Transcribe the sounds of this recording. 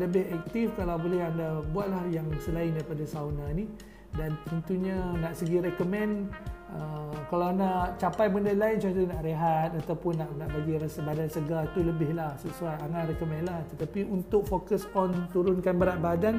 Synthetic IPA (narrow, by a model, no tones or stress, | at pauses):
ləbɪɦɛk̚t̪ifkalawbolɛɦandabuaʔ̪̚lahjaŋsəlaɪndaɾipadasawnani | dant̪ənt̪uɲanaʔsəɡiɾɛkomɛ̃nəkalawnaʔt͡ʃapajbəndalaɪnt͡ʃat̪unaʔɾeɦat̪̚at̪awpʊnːaʔnaʔbaɡiɾasabadansəɡat̪uləbɪhlahsəsuajaŋanrɛkomɛ̃nlaht̪ət̪apiunt̪ʊk̚fokəsɔnt̪uɾʊnkanbəɾaʔ̪̚badan